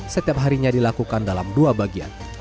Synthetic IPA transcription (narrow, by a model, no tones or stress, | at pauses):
sət̪iap̚ɦaɾiɲadilakukandalamduabaɡia̰n